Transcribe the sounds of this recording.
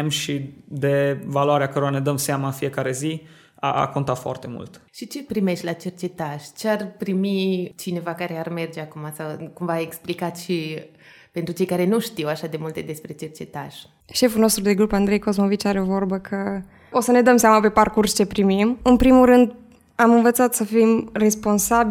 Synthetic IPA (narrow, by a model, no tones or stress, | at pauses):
mʃid̪e̞valoaɾeakəɾoɾane̞d̪əmseamaɨnfije̞kaɾe̞zi | a̰a̰ko̞nt̪at̪foa̰rt̪e̞mṵlt̪ʃit͡ʃe̞pɾime̞ʃt̪ʲlat͡ʃe̞rt͡ʃe̞t̪aʃt͡ʃearpɾimit͡ʃine̞vakaɾe̞arme̞rd͡ʒeakumasawkumvaeksplikat̪ʃi | pe̞nt̪ɾut͡ʃe̞jkaɾe̞nuʃt̪iwaʃad̪e̞mult̪e̞d̪e̞spɾe̞t͡ʃe̞rt͡ʃe̞t̪aʃ | ʃe̞fulno̞st̪ɾud̪e̞ɡɾupand̪ɾe̞jko̞zmo̞vit͡ʃaɾe̞vo̞rbəkʰə | o̞səne̞d̪əmseamape̞parkurst͡ʃe̞pɾimimɨnpɾimulɾɨnd̪ | amɨnvət̪sat̪səfimre̞spo̞nsab